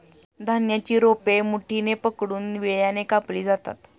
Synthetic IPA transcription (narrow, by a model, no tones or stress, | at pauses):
d̪ʱanjat͡ɕiːɾopemuʈʰinepəkɽuːnʋiɭjanekapliːd͡zat̪a̰t̪